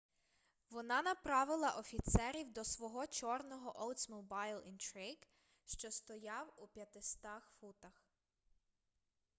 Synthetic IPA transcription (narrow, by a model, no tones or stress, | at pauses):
ʋɔnɑnɐpɾɑʋɪlˠɐʔɔfʲit̪sɛɾʲiwd̪ɔsʋɔɦɔt͡ʃɔrnɔɦɔʔɔw̪ˠt̪smʊbɑjlˠint̪ɾiɡ̥ | ʃt͡ʃɔst̪ɔjɑwupʲjɐt̪ɪst̪ɑxfut̪ɐx